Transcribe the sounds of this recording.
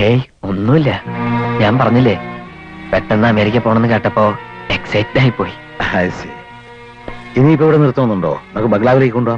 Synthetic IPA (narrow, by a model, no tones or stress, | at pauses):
ej | o̞nːumilːɐɲaːmpɐrɐɲːilːe | peʈːenːɐɐmeːɾikʲːɐpːo̞ːɳenːɨkeːʈːɐpːo̞ːeksɐjtːnaːjipːo̞ːji | asɐɾi | inːiipːoiʋiɽenirut̪ːɐmɐnːuɳɖoːenokːɨbɐɡlaːʋileːkːikoɳɖuaː